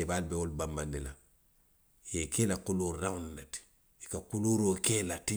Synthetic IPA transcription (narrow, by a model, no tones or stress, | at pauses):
ebalbeolbambandila | jekelakuluɾːawnnet | ikakuluɾokeːlati